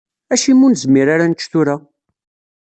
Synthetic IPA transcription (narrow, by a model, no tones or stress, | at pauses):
æʃimːunzmiɾaɾant͡ʃːθuɾa